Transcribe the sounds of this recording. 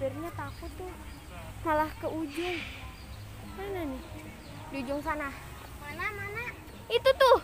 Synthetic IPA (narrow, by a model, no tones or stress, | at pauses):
ərɲat̪akut̪u | malahkəʔud͡ʒʊŋ | mananɪh | diud͡ʒʊŋsanah | manamana | it̪ut̪ʊh